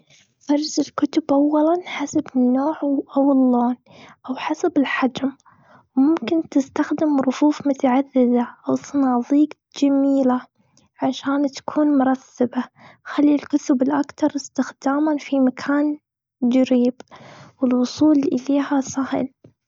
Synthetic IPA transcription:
fɑɾˤzɪlkʊt̪ʊbʔawːalanħasabɪnːoːʕʔawɪlːoːn | ʔawħasabɪlħad͡ʒm | wmʊmkɪnt̪ɪst̪axd̪ɪmɾˤʊfuːfmʊt̪aʕaðːɪðaʔawsˤɨnɑːðˤiːɡ | d͡ʒamiːla | ʕaʃaːnt̪ḁkʰuːnmʊɾˤɑsːabaxalːilkʊt̪ʊbɪlʔakt̪ɑɾˤɪst̪ɪxd̪aːmanfimakʰaːn | d͡ʒaɾiːbwɪlwʊsˤuːlʔɪleːhasˤɑhɪ̰l

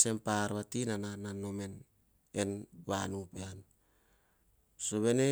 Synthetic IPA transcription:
se̞mpaɾβatinanananomen | enβanupean | soβe̞ne

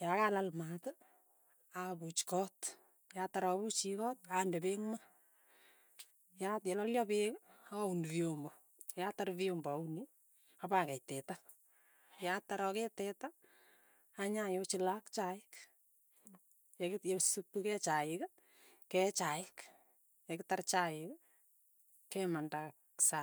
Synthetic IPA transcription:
jakalalmatə | abut͡ʃkɔːt | jatːaɾɔβut͡ʃikɔːt̚andɛbeŋma | jatjɛlɔljɔpekauniβiombɔ | jataɾviombuni | apakɛjtɛta | jataɾɔketɛtaː | ɲajot͡ʃilakt͡ʃaɪk | jjosupːukɛt͡ʃaɪka | kɛt͡ʃaɪk | jɛkɪtart͡ʃaɪk | kɛmandaksa

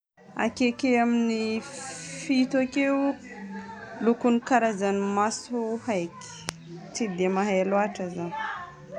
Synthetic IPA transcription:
a̰kekeamini | fit̪akew | lukunikaɾazanimasuhajki̥ | t͡sid̪emaɦaaloaʈ͡ʂazani̥

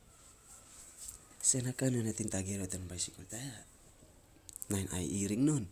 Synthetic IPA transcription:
senakanonatiŋtaɡeɾotenbajsikoltaja | najna̰jiɾiŋno̞n

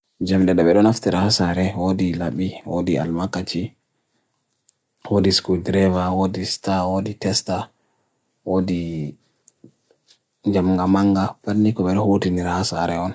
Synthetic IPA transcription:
d͡ʒamɗɛɗaɓɛɗɔnaftiɾahasaɾɛwodilaɓiwo̰dia̰lmakːat͡ʃi | wodiskudɾɛvawodistawoditɛsta | wodi | d͡ʒamŋɡamaŋɡapanːikɔɓɛɗɔhotiniɾahasa̰ɾɛɔn

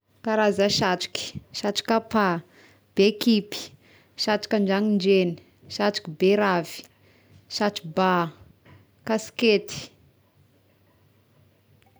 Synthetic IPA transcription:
kaɾazaʃaʈ͡ʂi̥ki̥ʃaʈ͡ʂi̥kapa | b̥ekipi̥ | ʃaʈ͡ʂi̥kʲaɳɖ͡ʐaŋiɳd͡ʒeni̥ | ʃaʈ͡ʂi̥kibeɾavi̥ | ʃaʈ͡ʂiba | kasi̥ket̪i̥

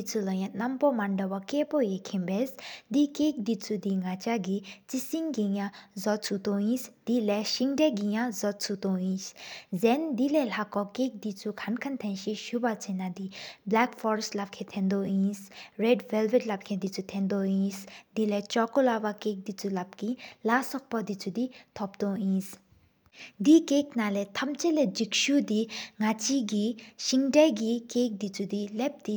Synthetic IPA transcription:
it͡sulɔjãnɐmpɔmaɳɖɔʋɔkepɔjekʰĩmbɛsd̪ikek̚d̪it͡sud̪iŋat͡ʃaɡit͡sisiŋɡijãzɔt͡sʰut̪oĩsd̪̥ilɛʃiŋɖɛɡijãzɔt͡sʰut̪oĩːszɛnd̪ilɛlakɔkek̚d̪it͡sukʰɐnkʰɐnt̪ʰɛ̃nʃiʃubat͡sʰɛnad̪iblaːkfɔɾslɐb̚kʰɛt̪ʰɛ̃nd̪oĩːsɾɛɖvɛlʋeʈlɐp̚kʰɛd̪it͡sʰut̪ʰɛnd̪ɔɦĩːsd̪ilɛt͡ʃɔkolawakek̚d̪it͡sʰulap̚kilasɔk̚pɔd̪it͡sʰud̪it̪ʰɔp̚d̪ɔ̃ĩːs | d̪ikeːk̚nalɛt̪ʰɐmt͡ʃelɛd͡ʒikʃud̪iŋat͡ʃiɡiʃiŋɖaɡikek̚d̪it͡sʰud̪ilɛp̚d̪i

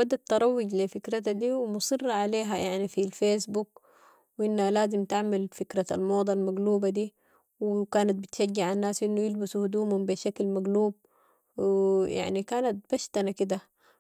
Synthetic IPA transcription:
bad̪at̪ːɑɾˤɑwːɪɟlifikɾat̪ad̪iːwimʊsˤɨrːɑʕaleːɦajaʕnifilfeːsbuk | wʔinːhalaːzimt̪aʕmalfikɾaa̰lmoːd̪ˤalmaɡluːbad̪iː | wkaːnat̪̚bit̪ʃaɡːiʕanːaːsʔinːujɪlbasuhud̪uːmhumbiʃaklmaɡluːb̚ | ja̰ʕnikaːnat̪̚b̥aʃt̪anakid̪a

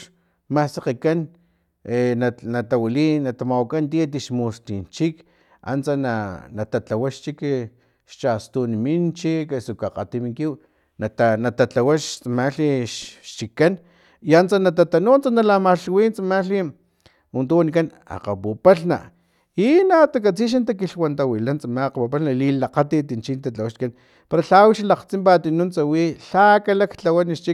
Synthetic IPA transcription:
ʃ | masaqikan | enanat̪awilinːat̪amawakant̪iat̪̬iʃmust̪int͡ʃik | a̰nt͡sananat̪at͡ɬawaʃt͡ʃik | ʃt͡ʃast̪unimint͡ʃikesukaqa̰t̪imiŋkiw | naanat̪at͡ɬawaʃt͡smaɬiʃʃt͡ʃikːan | jant͡sanat̪at̪anunt͡sanalamaɬwint͡samaɬi | wunt̪uwanikan | a̰qa̰pupaɬna̰ | inat̪akat͡siʃ̬ant̪̬akiɬwant̪awilant͡samaqapupaɬnalilaqat̪it̪int͡ʃint̪at͡ɬawaʃkan | paɾaɬawiʃalaqt͡simpat̪inunt͡sawiɬakalakt͡ɬawaniʃt͡ʃik

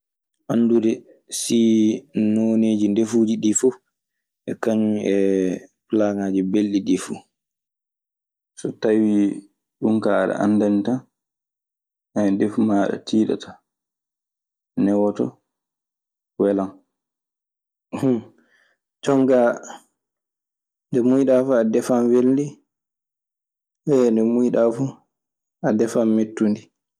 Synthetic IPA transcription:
ʔanːduɾɛ | sinoneːd͡ʒindefuːd͡ʒiɗifu | ʔɛkaɲɛplaŋaːd͡ʒibelɗiɗifu | sɔtawi | ɗuŋkaɗɛ̰ʔa̰ndanita | ɛdefmaɗɛ̰tʰiːɗa̰tʰḁ | nɛwɔtɔ̰ | wɛlan | h | t͡ʃɔŋɡa | ndɛmujɗafuadɛfanwelndi | ɛndɛmujɗafu | adɛfamːetːundi

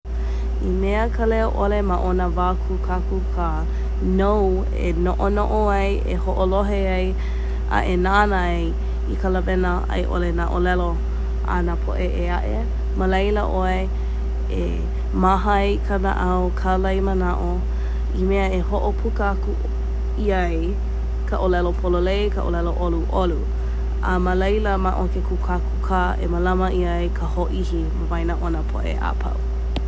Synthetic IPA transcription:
imɛəkʰəlɛoʔolemaʔonəvakʰukʰakukʰə | now | ḛnoʔonoʔoaj | ḛhoʔoloɦeaj | ʔa̰ʔenanaaj | ikʰələvɛnə | a̰jʔo̰lenaʔolɛlo | ʔa̰napʰo̰ʔeʔeaʔḛ | məlejləʔoe | ḛ | maɦajkʰana̰ʔawkʰalɐjmənaʔo | imɛəeɦoʔopʰukəaku | iaj | kʰəʔolɛlopʰololejkʰə̰ʔo̰lɛloʔoluʔolu | a̰məlejləmaʔokekʰukʰakʰukʰaːʔeməlɐməʔiaekʰəhoʔihiməvajnaʔonapʰo̰ʔḛʔa̰pʰɐ̰w

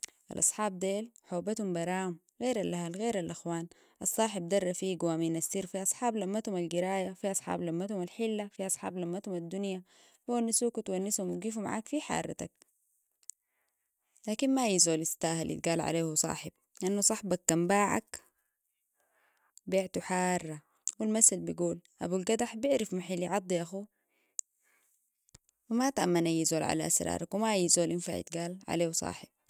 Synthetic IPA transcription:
ʔa̰lʔɑ̰sˤħɑːb̚d̪eːlħoːbat̪humbɑɾˤɑːum | ɣeːɾalʔahalɣeːɾalʔaxwaːn | ʔɑsˤːɑːħib̚d̪ɑrˤːɑfiɡawaːminasːiːɾfiʔɑsˤħɑːblamːat̪humalɡiɾaːjafiʔɑsˤħɑ̰ːblamːat̪humalħilːafiʔɑsˤħɑ̰ːblamːat̪humad̪ːunja | fuwanːusuːkut̪wanːishumwiɡiːfuma̰ʕa̰ːkfiħɑ̰ːɾˤɑ̰t̪ak̚ | laːkinmajizoːlist̪aːhalʔḭt̪̚ɡaːlʕa̰leːhusˤɑ̰ːħɪb̥̚ | lʔanːusˤɑħbɑkːambaːʕa̰k | biːʕt̪uħaːrˤːɑ | wilmasalbiɡuːlʔa̰bulɡad̪aħbɪʕɾafmaħalːiʕɑd̪ˤːiʔaxu | wimat̪aʔamːanajizoːlʕa̰la̰ʔa̰sɾˤɑ̰ːɾˤakwimajizoːlʔinfa̰ʕḭt̪ɡaːlʕa̰leːhusˤɑ̰ːħɪb̥̚

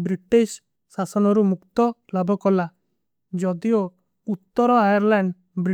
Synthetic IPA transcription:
bɾiʈis | sasɔnɔɾumukt̪ɔlabʱɔkɔla | d͡ʒɔd̪io | ut̪ːɔɾɔajaɾlaɳɖ | bɾi

